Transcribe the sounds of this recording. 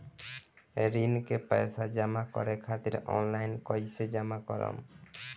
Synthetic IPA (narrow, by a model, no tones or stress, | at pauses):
eɾinkepɛjsad͡ʒamakɔ̰ɾekʰat̪iɾɔ̰nlajnkɔjsed͡ʒamakɔɾɔ̰m